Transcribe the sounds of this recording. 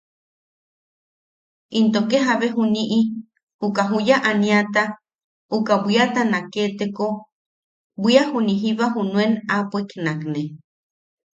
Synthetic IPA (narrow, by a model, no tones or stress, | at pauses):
int̪okeɦaβeɦuniʔi | ukaɦujaʔaniat̪a | ukabʷiat̪anaket̪eko | bʷiahuniɦiβaɦunũenapʷeknakne